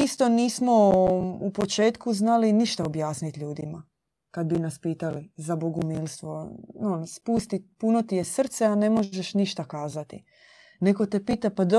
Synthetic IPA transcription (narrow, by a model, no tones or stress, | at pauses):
ist̪o̞niːsmo̞upo̞t͡ʃe̞ːt̪kuznaliniʃt̪ao̞bjaːsnit̪ʎuːd̪ima | kad̪̚binaspiːt̪alizaboɡumiːlˠst̪ʋo̞onspuːst̪ipuno̞t̪ije̞sr̩t̪seane̞mo̞ʒeʃniʃt̪akaːzat̪ḭ | neko̞t̪e̞piːt̪apad̪o